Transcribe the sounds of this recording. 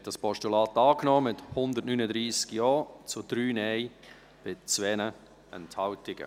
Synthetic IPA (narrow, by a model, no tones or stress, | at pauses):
hɛt̚d̥ɑspʰɔʃtulɑːtɑːknɔːmɪthʊnd̪ətnynədɾiːskjɔːt͡sʊd̥ɾyːnɛɪ | b̥ɪt͡svɛnə | ɛnthɑʊtɪɡ̥ə̰